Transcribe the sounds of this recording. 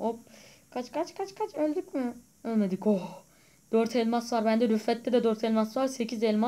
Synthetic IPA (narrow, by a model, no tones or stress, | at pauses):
op | kʰat͡ʃkʰat͡ʃkʰat͡ʃkʰat͡ʃʰølʲd̪ycmɪ | ølmed̪ikoh | d̪̥øɾt̪ʰɛlʲmasvaɾbænd̪ɛɾyfːɛt̪ːɛd̪ɛd̪øɾt̪ʰɛlʲmasvaɾse̞cʰizɛlʲma